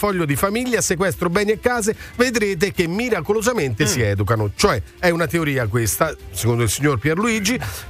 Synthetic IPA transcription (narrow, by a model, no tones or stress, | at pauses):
fɔʎːod̪ifamiʎːasekwɛst̪ɾobɛːnjekːaːzeved̪ɾeːt̪̬ek̟emːiɾakolozament̪esiɛːd̪ukanot͡ʃoɛ | ɛunat̪eoɾiːakwest̪asekond̪oilsiɲːorpjɛrluiːd͡ʒi